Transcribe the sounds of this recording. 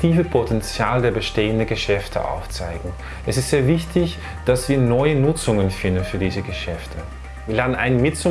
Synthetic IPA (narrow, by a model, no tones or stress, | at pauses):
tʰiːvəpʰotʰɛnt͡sjaːldeːɐbəʃteːəndənɡəʃɛftʰə̰ʔa̰ʊft͡sa̰ɪɡŋ̩ | ʔɛsɪstz̥eːɐvɪçtɪç | d̥asv̥iːɐnɔʏənʊt͡sʊŋənfɪndn̩fyːɐdiːzəɡəʃɛftʰə | viːɐlaːdn̩ʔa̰ɪnənmɪtt͡sʊ